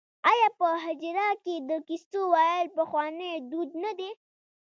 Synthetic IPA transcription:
ajɑpəɦad͡ʒɾɑked̪əkist̪owɑjlpəxwɑned̪ud̪nad̪e

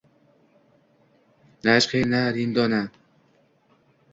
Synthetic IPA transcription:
naʃqenaɾind̪ɔna

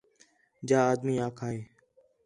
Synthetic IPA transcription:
d͡ʒaːaːd̪miːaːkʰaːẽː

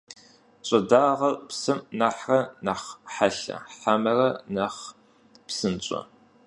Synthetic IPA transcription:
ɕʼɐdaːʁɐrpsɨmnaħrɐnɐχħaɬɐ̰ħamɐrɐnɐχ | psɨnt͡ɕʼɔ̰

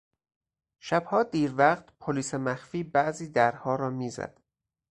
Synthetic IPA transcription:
ʃæbhɒːd̪iːɾvæɢt̪pʰoliːsemæxfiːbæʔziːd̪æɾhɒːɾɒːmiːzæ̰d̪̥

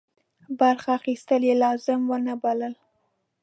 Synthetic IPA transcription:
baɾxaːxist̪əljelɑzɪmwənabaləl

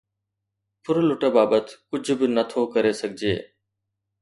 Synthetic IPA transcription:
pʊɾlʊʈəbaːbət̪kʊd͡ʒʱbɪnət̪ʰoːkəɾeːsəɡʱd͡ʒḛː

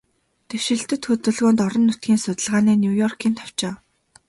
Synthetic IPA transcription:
t̪ewʃɪ̆ɬt̪ɘ̆t̪xɵt̪ɵ̆ɮɣoːnt̪ɔɾɞ̆nːʊt̪ɡʲiːnsʊt̪ə̆ɮʁaːniːnʲjujɔrkʰiːnt̪ʰḁw̥t͡ɕaː

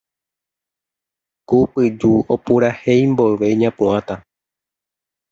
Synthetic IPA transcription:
kupɨd͡ʒuopuɾahe̞jmboɨʋeɲãpũãt̪a

